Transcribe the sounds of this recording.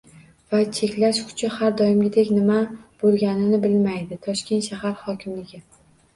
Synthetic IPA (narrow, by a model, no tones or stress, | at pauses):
vat͡ʃʰekʲlaʃkʰʊ̥t͡ʃʰahaɾd̪ɒjɪmɡʲɪd̪ekʲnɪmab̥olˠɡʲanɪnɪbɪlmajd̪ɪt̪ʰɒʃkʲe̞nʃahaɾhɒkʲɪmlɪɡʲɪ